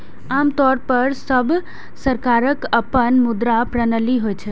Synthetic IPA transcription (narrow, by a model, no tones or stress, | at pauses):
amt̪ɔɾpəɾsəbʱ | səɾkaɾəkəpənmud̪ɾapɾənəliɦojt͡ʃʰə